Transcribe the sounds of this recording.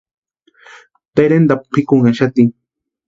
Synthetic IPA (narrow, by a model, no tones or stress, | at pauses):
t̪ajɾend̪apqʰɪkʊŋaʃat̪ɪŋ